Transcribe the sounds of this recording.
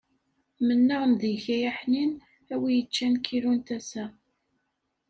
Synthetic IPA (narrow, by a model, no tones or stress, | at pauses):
mənːəʁmðiçæjæħnin | æwijət͡ʃːænkʰiɾunt̪æsæ